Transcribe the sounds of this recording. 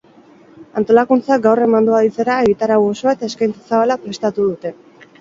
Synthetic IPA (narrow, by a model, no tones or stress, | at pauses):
ant̪o̞lakunt͡sak̚ɡawre̞mand̪uaðit͡se̞ɾaeɣ̞it̪aɾawo̞so̞aet̪ae̞skajnt͡sasaβalapɾe̞st̪at̪uðut̪e̞